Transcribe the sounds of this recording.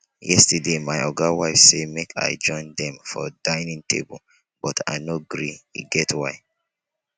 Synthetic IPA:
jɛstədemaɪɔɡawaɪfsemekʰa̰ɪd͡ʒɔ̃ɪ̃ndɛ̃mfɔ̰dãɪnĩŋtʰḛbṵl | b̥ɔtʰa̰ɪnoɡɹiḭɡɛtwaɪ

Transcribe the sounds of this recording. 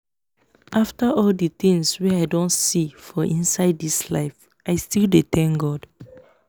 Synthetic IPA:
ʔaftaʔɔldit̪ĩŋswɛaɪdõnsifɔʔĩnsaɪdːisla̰ɪf | ʔaɪstildet̪ʰɛ̃ŋɡɔd̥

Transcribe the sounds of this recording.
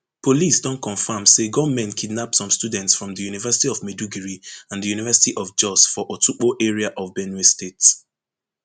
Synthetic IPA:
pʰolisdɔ̃nkɔ̃nfamseɡɔmɛ̃nkʰidnapsɔ̃mstudɛ̃ntsfɹɔ̃mðəjunivɜsi̥tiɔvmeduɡɛɹiãndəjunivɜsi̥tiʔɔfd͡ʒɔsfɔʔɔtʰuk͡poʔeɹiaʔɔvbɛnestets

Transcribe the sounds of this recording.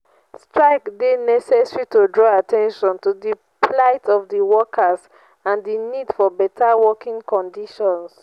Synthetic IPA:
stɹaɪkdenɛsɛsɹitodɹɔatʰɛ̃nʃɔ̃ntudə | pʰlaɪtʰɔvdəwɔkʰaz | ãndinidfɔbɛtʰawɔkĩŋkɔ̃ndiʃɔ̃ns

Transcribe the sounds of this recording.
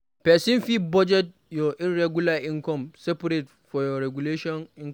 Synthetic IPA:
pɛːsɪnfibɔd͡ʒɛt̚ | jɔʔɪnɾɛɡʊlaʔɪŋkɔmsɛpɐɾet | fɔjɔɾɛɡuleːʃɔnʔɪŋk

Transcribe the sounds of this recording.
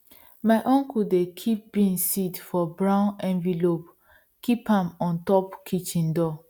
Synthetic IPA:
maɪʔɔ̃ŋkudekʰip̚bĩĩŋsitfɔbɹãʊ̃nɛ̃nvilop | kʰipãmɔ̃ntɔpkʰit͡ʃĩndɔ

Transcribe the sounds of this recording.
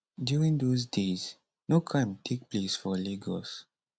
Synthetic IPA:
djuɹĩŋdozdez | nokʰãɪ̃mtʰek̚plesfɔleɡɔs

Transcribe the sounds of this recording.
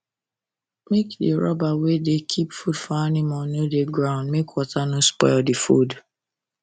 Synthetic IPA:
mekdɪɾɔ̰bawedekʰipfudfɔanɪmanodeɡɾãʊ̃ndmekwɔtanʊ̃spɔɪldɪfud

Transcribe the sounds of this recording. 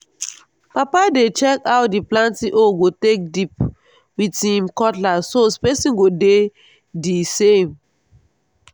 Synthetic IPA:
papadet͡ʃɛkawdiplãntiʔoɡotek̚dip̚ | witĩmkɔtlasospɛsĩnɡode | disem

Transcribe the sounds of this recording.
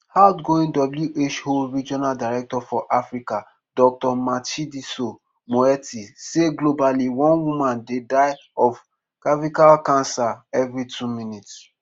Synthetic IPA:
haʊtɡoĩndɔbljuʔet͡ʃholɹid͡ʒɔnaldaɹɛk̚tɔfɔʔafɹika | dɔk̚tɔmatidiso | moɛtiseɡlobaliwɔ̃nwumãndedaɪ | ɔf | kavikalkãnsaɛvɹitʰumĩnits

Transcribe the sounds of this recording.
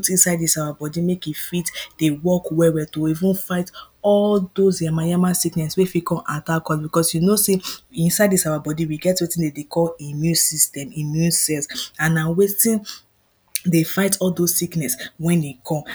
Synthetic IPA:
tĩnsaɪdisawabɔdimekifitd̥ewɔkwɛwɛtoivũnfaɪt | ɔldosjamajamasiknɛswefikɔ̃matakɔ̃lbikɔsjunoseĩnsaɪdisawabɔdiwiɡɛtwetĩndedekʰɔlemjũsistɛ̃mĩmjũnsɛlsãnawestĩn | defaɪtʰɔldozsiknɛswɛ̃ndekʰɔ̃m

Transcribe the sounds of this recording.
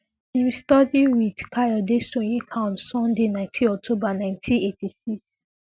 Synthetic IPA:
ĩnɹistɔdiwidkʰajɔdesõjĩkʰãnsɔ̃ndenãɪ̃ntʰĩɔk̚tʰobanãɪ̃ntʰĩnetisiks

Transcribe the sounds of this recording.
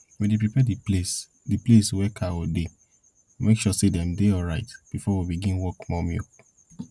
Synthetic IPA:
medepɹipɛdes | dipleswɛkʰaode | mekʃɔsedɛ̃mdeɔɹaɪtb̥ifɔwibiɡĩnwɔkmɔmjo̰

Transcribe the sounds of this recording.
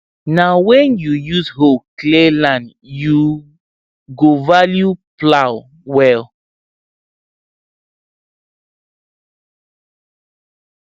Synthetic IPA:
nawɛ̃njujushoklelãnd | ju | ɡovaljuplaw | wɛl

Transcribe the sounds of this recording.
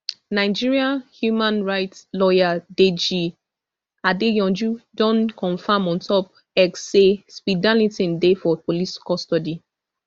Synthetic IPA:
naɪd͡ʒiɹiãnhjumãnɹaɪtslɔjaded͡ʒi | adejɔ̃nd͡ʒudɔ̃nkɔ̃nfãmɔ̃ntʰɔp̚ | ɛksespidãlĩtĩndefɔpoliskɔstɔdi

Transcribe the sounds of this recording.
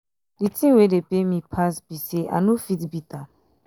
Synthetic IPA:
ditʰĩwedepemĩpʰasbiseʔa̰nofitbita

